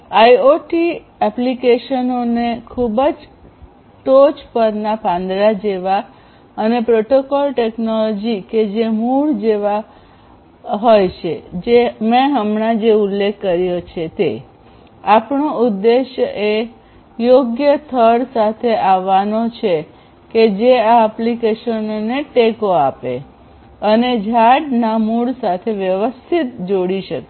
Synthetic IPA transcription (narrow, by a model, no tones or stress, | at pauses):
ajoʈi | ɛplikeʃənonekʰubəd͡ʒ | ʈot͡ʃpəɾnapãnd̪ɾad͡ʒeʋa | ənepɾoʈokɔlʈɛknɔlɔd͡ʒiked͡ʒemuɭd͡ʒeʋa | ɦojt͡ʃʰed͡ʒemɛ̃ɦəmɳad͡ʒeulːekʰːəɾjot͡ʃʰet̪e | apɳoʊd̪ːeʃjəe | joɡjət̪ʰəɾsat̪ʰeʔaʋːanot͡ʃʰe | ked͡ʒeaəplikeʃənoneʈekoapḛ | əned͡ʒʱaɽnamuɭsat̪ʰeʋjəʋəst̪ʰit̪d͡ʒoɽiʃəke